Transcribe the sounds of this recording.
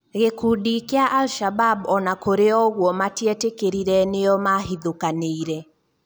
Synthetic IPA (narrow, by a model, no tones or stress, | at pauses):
ɣekuːdikeaʔalʃababɔnakoɾeɔɣwɔmatiɛtekeɾiɾɛneɔmaɦiðokaneiɾɛ